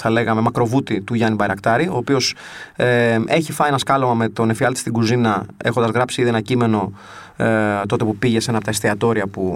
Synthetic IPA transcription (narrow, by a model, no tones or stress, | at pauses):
θɐle̞ɣɐme̞mɐkɾo̞vut̪it̪uʝɐnibɐjɾɐkt̪ɐɾio̞ːpio̞seʔe̞çifɐienɐskɐlomɐme̞t̪o̞ne̞fiɐlt̪i̥st̪iɡuzinɐe̞xod̪ɐzɣɾɐpsiiðie̞nɐcime̞no̞ | t̪o̞t̪epupiʝe̞se̞nɐpot̪ɐest̪iɐt̪o̞ɾiɐpu